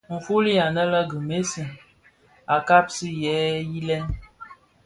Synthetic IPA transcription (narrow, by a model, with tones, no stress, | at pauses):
ŋ̩˨fu˦li˦a˨nə˦lə˦ɡɨ˨me˦sɨ˨ | a˨ka˦p̚si˦jɛ˨˦ji˦lɛ˦n